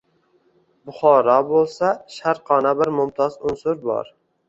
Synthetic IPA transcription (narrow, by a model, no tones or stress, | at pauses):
bʊχɒɾɒbolˠsaʃaɾqʰɒnabɪɾmʊmt̪ʰɒzʊnsʊɾbɒ̰ɾ